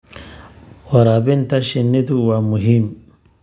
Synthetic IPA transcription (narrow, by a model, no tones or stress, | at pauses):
wɐɾabint̪aʃinːit̪uwamuɦim